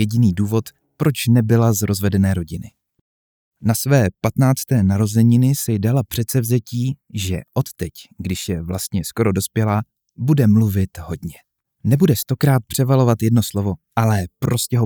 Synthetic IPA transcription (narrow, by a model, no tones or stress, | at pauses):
jɛɟɪniːduːvo̞t̪ | pɾo̞t͡ʃnɛbɪlazɾo̞zvɛdɛnɛːɾo̞ɟɪnɪ | nasvɛːpat̪naːt͡st̪ɛːnaɾo̞zɛɲɪnɪsɪdalapr̥ɛt̪sɛvzɛciːʒɛ̰ʔo̞t̪ːɛcɡdɪʃjɛvlast̪ɲɛsko̞ɾo̞do̞spjɛla | budɛmluvɪt̪ɦo̞dɲɛ | nɛbudɛst̪o̞kɾaːt̪̚pr̝̥ɛvalo̞vat̪jɛdno̞slovo̞ʔalɛpɾo̞scɛɦo